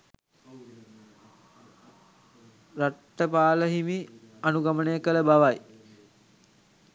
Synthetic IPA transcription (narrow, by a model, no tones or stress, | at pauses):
ɾaʈːəpaːləɦimi | anuɡamənəjəkələbaʋaj